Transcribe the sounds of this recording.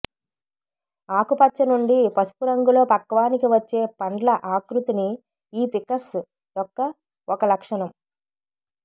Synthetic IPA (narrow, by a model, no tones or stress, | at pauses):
aːkupɐt͡ʃːɐnuɳɖipɐsu̥puɾɐŋɡulo̞ːpɐkːɐʋaːnikiʋɐt͡ʃːe̞ːpɐɳɖlɐʔaːkɾut̪ini | iːpikɐs | d̪ɔkːɐ | ɔkɐlɐkʂɐnɐm